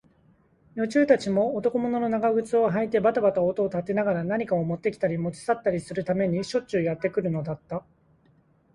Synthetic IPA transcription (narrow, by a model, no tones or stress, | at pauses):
jo̞t͡ɕɨːt̪at͡ɕimo̞ːt̪o̞ko̞mo̞no̞no̞naɡaɡɯ̟t͡sɨoɦait̪e̞bat̪abat̪aot̪o̞ːt̪at̪e̞naɡaɾanaɲ̟ikaomo̞t̪ːe̞kʲi̥t̪aɾʲimo̞t͡ɕi̥sat̪ːaɾʲisɨɾɯ̟t̪ame̞ɲ̟iɕo̞t͡ɕɨjat̪ːe̞kɯ̟ɾɯ̟no̞d̪at̪ːa